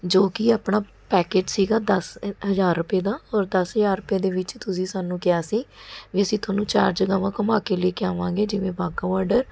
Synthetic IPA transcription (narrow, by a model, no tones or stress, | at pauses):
d͡ʒoːkiːaːpɳaː | pɛːkeːt͡ʃsiːɡaːd̪əsɦəzaːɾːʊpeːd̪aːɔːɾd̪əsɦəzaːɾɾʊpeːd̪eːʋɪt͡ʃt̪ʊsĩːsaːnũːkɪjaːsiːʋiːəsĩːt̪ʰoːnũːt͡ʃaːɾd͡ʒəɡãːʋãːkəmaːkeːləiːkɪjaːʋãːŋɡeːd͡ʒɪʋẽːbaːɡaːʋaːɾɖəɾ